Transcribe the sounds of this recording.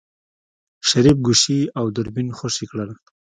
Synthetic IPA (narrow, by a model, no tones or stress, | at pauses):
ʃaɾip̚ɡuʃiawd̪ʊɾbinxoʃikɽəl